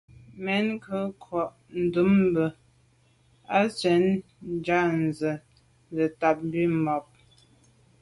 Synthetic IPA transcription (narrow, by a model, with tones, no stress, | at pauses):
mɛ˨˦nkə˦kʰwɔ˨ʔ | n̩˨du˨˦m˦bə˨ | a˦t͡sɛ˨˦n˦ | d͡ʒa˦˨n̩˨zə˨ | zə˨ta˨p̚m˦bi˦mɔ˨p̚